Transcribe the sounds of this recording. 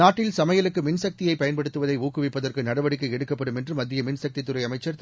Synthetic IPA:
aːʈːɪlsɐmɐjɐlɯkːɯmɪnsɐk̚t̪ɪjɐɪpɐjɐnpɐɽɯt̪ːɯʋɐðɐɪuːkːɯʋɪpːɐðɐrkɯnɐɽɐʋɐɽɪkːɐɛɽɯkːɐpːɐɽɯmɛndrɯmɐd̪ːɪjɐmɪnsɐk̚t̪it̪ːɯɾɐɪɐmɐɪt͡ʃːɐɾ

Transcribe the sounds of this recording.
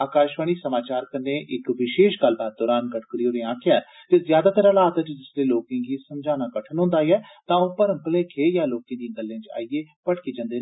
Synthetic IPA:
aːkaːʃʋaːɽ̃iːsəmaːt͡ʃaːɾkəndeːʔɪkʋɪʃeːʃɡəlːbaːt̪̚d̪ɔːɾaːnkəʈʰkɾiːoːɾẽãːkʰɪjaːɛ | t̪ezjaːd̪aːt̪əɾəlaːt̪ət͡ʃd͡ʒɪsleːloːkẽːɡiːsəmd͡ʒaːnaːkəʈʰənɦʊ̃ːnd̪aːiɛːt̪ãːoːpəɾə̃mpleːkʰeːjaːloːkẽːd̪ĩɡəlːẽːt͡ʃa̰ːieː | pəɽkeːd͡ʒə̃nd̪eː

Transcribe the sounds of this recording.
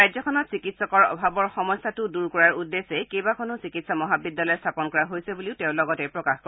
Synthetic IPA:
ɹajzɔkʰɔnɔtsikitsɔkɔɹɔ̰bʱabɔɹxɔmɔjsatʊduɹkɔɹaɹudːesekejbakʰɔnʊsikitsɔmɔɦabidːalɔjstʰapɔnkɔɹaɦojsebuliʊtɛʊ̃lɔɡɔtɛpɹɔkaxkɔ

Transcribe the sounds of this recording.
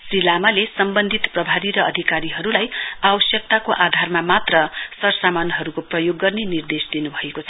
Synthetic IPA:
silamʌlesʌmbʌnd̪ʱit̪prʌbʱad̪iɾʌʌd̪ʱikaɾiɦʌɾulajawʌsjʌk̚t̪akoʔad̪ʱarmamat̪rʌsʌrsamanɦʌɾukoprʌjoɡːʌrnenird̪esd̪inubʱʌekot͡sʰʌ

